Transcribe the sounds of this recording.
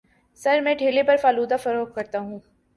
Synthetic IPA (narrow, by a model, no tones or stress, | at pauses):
sɐɾmɛ̃ːʈʰeːlepɐɾfaːluːd̪afɐɾoːk̚kɐɾt̪aɦũː